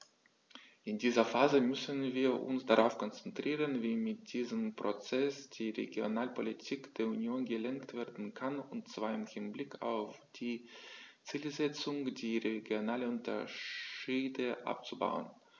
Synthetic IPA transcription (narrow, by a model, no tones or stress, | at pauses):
ʔɪndiːzɐfaːzəmʏsənviːɐʔʊ̰nsd̥aʁaʊfkʰɔnt͡sɛntʁ̥iːʁənviːmɪt̚d̥iːzəmpʁ̥ot͡sɛsd̥iːʁḛɡjonaːlpʰolitʰiːkd̥eːɐunjoːnɡəlɛŋktv̥eːɐdn̩kʰanʊntt͡sv̥aːɐɪmhɪnblɪkʰa̰ʊfd̥iːt͡siːlzɛt͡sʊŋd̥iːʁeɡjonaːləʊntʰɐ | iːdəʔa̰p̚t͡suba̰ʊə̰n